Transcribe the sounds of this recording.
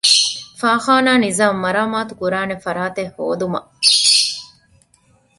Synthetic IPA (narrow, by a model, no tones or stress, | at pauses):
faːxaːnaːnizaːmːɐɾaːmaːt̪ukuɾaːnefɐɾaːt̪ehːoːd̪umɐ̰ʔ